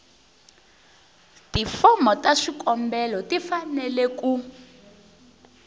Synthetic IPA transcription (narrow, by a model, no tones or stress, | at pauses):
tifɔmɔtaʂikɔmbɛlɔtifanɛlɛku